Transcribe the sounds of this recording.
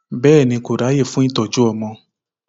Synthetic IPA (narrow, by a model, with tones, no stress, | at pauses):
bɛː˦˨nĩ˧ko˨ɾa˨˦je˦˨fũ˦i˦˨tɔ˨d͡ʒu˦ɔ˦˨mɔ̃˧